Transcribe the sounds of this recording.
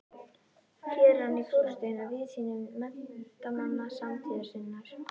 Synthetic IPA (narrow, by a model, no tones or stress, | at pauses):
fjɛːɾanːifuɾst̪ejnaviðsiːnɪmɛnt̪amanːasamt̪ʰiːðḁsɪnːaɾ̥